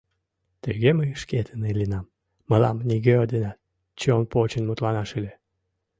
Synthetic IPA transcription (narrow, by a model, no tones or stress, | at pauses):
t̪eɣeməʃket̪ʰənelinɑmː | əlɑ̰mnʲiɣeod̪inɑt̪ | t͡ɕeonpot͡ɕənmut̪lɑnɑʃɨlʲe